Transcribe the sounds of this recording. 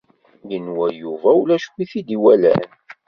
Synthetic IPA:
jənwæjuvæwlæʃwiθid̪iwælæ̰n

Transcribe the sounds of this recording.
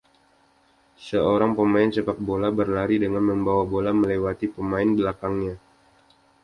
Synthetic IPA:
səoɾaŋpəmaɪnsəpak̚bolabərlaɾidəŋanməmbawabolaməlewat̪ipəmaɪnbəlakaŋɲa

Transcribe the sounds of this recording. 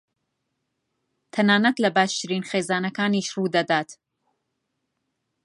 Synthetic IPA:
t̪ʰɐnaːnɐt̪lɐbaːʃt̪ɨɾiːnxeːzaːnɐkaːniːʃruːd̪ɐd̪aːt̪

